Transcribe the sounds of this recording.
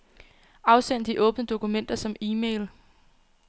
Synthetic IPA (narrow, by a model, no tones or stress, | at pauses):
ɑ̈ʊsen̰d̥d̥iʔɔ̽ːb̥nəd̥o̝kumen̰d̥ɐsɒ̽miːmeɪl